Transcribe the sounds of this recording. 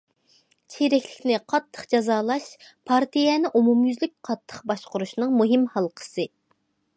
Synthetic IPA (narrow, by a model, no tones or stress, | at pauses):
t͡ʃʰeɾɛkʲlɪkʲnɪqʰɑt̪ʰːə̥χd͡ʒɑzɑːlˠɑʃpʰɑɾt̪ʰijɛnɪʔumumjyzlɪk̚ʲqʰɑt̪ʰːə̥χbɑʃqʊɾuʃnɨŋmuɦɪmhɑlˠqʰə̥sɨ